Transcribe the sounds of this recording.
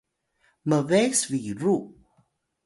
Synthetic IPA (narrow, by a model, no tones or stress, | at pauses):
məvesviɹu